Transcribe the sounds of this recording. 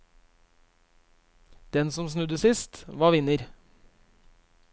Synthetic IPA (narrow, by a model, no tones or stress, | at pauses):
d̪̥ɛnsɔmsnʉd̪əsɪst̪ʋɑːʋɪnəɾ